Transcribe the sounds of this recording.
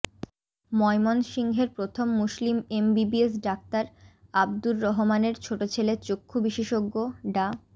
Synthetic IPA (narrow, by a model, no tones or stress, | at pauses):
mɔjmonʃiŋɡʱeɾpɾot̪ʰomːuslimembibies̬ɖak̚t̪aɾab̚d̪uɾːɔɦomaneɾt͡ɕʰoʈot͡ɕʰelet͡ɕokʰːubiʃeʃoɡːoɖa